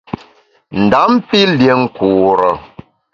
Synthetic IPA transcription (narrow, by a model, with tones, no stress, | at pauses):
n̩˨da˨˦m˦pi˦lje˦ŋ̩˦ku˨ɾə˨